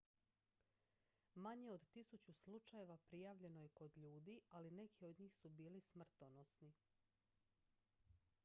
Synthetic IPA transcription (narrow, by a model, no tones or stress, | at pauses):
maɲeo̞d̪t̪isut͡ɕuslut͡ʃaje̞ʋapɾijaːʋʎe̞no̞je̞ko̞d̪ʎuːd̪ialine̞kʰio̞d̪ɲiːxsubiːlismr̩t̪onosni